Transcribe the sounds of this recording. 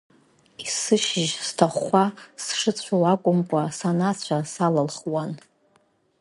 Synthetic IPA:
isɨʃɪʒstʰaχʷasʂɨt͡sʷʰawakʷʼʊmkʷʼasanat͡ɕʷʰasalalχwan

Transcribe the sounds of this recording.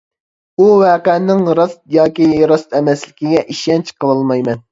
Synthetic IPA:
uwɛːqɛnnɪŋɾɑst̪̚jɑːkʲiɾɑst̪ɛmɛslɪkʲiɡʲɛʔiʃɛnt͡ʃʰqʰəlˠɑlˠmɑjmɛn

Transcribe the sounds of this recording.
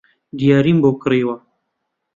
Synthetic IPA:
d̪ijɑːɾimbokɾeːwa

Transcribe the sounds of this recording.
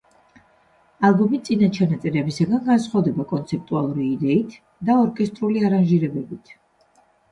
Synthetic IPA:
alˠɡɔmit̪sʼinat͡ʃʰanat̪sʼɛɾɛbisaɡanɡansχwavd̪ɛbakʼɔnt̪sʰɛp̚t̪ʼualˠuɾiːd̪ɛit̪ʰ | d̪aɔɾkʼɛst̪ʼɾuliaɾanʒiɾɛbɛbit̪ʰ

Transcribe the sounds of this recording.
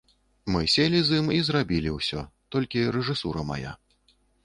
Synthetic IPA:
mɨsʲelʲizimizrabʲilʲiwsʲɔ̰t̪ɔlʲkʲiɾɛʐɨsuɾɐma̰ja̰

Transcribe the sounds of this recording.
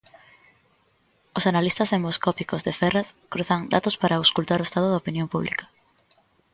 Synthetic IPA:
osanalist̪ɐsemoskɔpikozðefɛraθkɾuθɐŋd̪at̪ospaɾaoskult̪aɾoʊest̪aðʊðaopinjõmpuβlḭkɐ̥

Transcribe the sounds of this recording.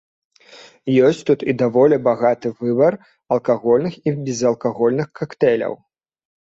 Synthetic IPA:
jɔsʲt͡sʲt̪ut̪id̪avɔlʲibaɣat̪ɨvɨbɐr | ɐlˠkaɣɔlʲnɨxibʲɛzɐlˠkaɣɔlʲnɨxkakt̪ɛlʲɐ̰w

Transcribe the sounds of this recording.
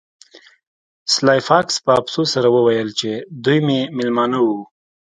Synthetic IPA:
slɑjfɑkspəapsosaɾawəwajəlt͡ʃed̪ujmemɪlmɑnawu

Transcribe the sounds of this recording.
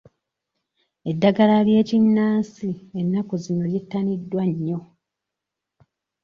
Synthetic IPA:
e̞dːaɡalalje̞ːcinːaːsienːakozino̞ljetːanidːwaɲːo̞

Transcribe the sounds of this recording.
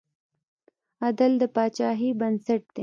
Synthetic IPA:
ad̪ald̪əpɑt͡ʃɑːɦibɐnsaʈ̚d̪̥e

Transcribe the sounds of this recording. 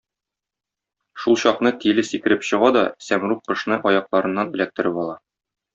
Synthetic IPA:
ʃulˠɕɒqn̪ɤt̪ilɘsikɘ̆ɾɘpɕɤ̆ʁɑd̪ɒsæmɾuq̚qːɤ̆ʃnɤʔɒjɑqlˠɑɾɤ̆nːɑnɵ̆læk̚t̪ɘ̆ɾɘpɒlˠɑ

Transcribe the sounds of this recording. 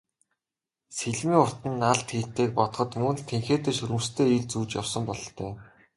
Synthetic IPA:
seɮmiːŋʊr̥t̪ĭnːaɮt̪xiːɬt̪eːk̚pɔt̪χɞ̆t̪mɵnɮt̪ʰeŋxeːt̪eːʃɵɾɘ̆mst̪ʰeːiːɮt͡suːt͡ɕja̰wsə̆mpɔɮɞ̆ɬt̪ʰœː

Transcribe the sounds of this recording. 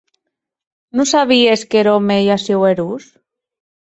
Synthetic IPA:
nusaβieskeɾomejasiweɾus

